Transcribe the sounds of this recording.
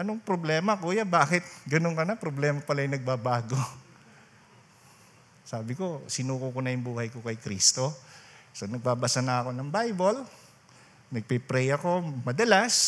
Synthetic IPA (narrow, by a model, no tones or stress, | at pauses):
ʔɐnoŋpɾoblɛːmɐkuːjabaːkɪt̪̚ɡɐnonkɐnɐpɾoblɛːmɐpɐlajnɐɡ̚babaːɡo̞ | saːbɪko̞sɪnuːkukonɐjʊŋbuːhɐjkokɐjkɾḭst̪o̞sonɐɡ̚babɐsanɐɐko̞nɐŋbajbol | nɐɡ̚pɛpɾɛjɐko̞mɐd̪ɐlas